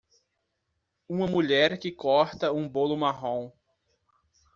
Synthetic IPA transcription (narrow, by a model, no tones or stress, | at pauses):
ũmɐmuʎɛɾkɪkɔɾt̪ɐũbolʊmaɦõw̃